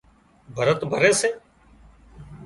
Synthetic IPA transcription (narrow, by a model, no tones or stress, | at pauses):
bʱəɾət̪bʱəɾeːseː